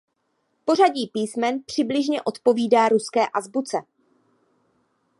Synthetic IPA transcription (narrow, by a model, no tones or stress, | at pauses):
po̞r̝aɟiːpiːsmɛnpr̝̥ɪblɪʒɲɛʔo̞t̪po̞viːdaːɾuskɛːʔazbut͡sɛ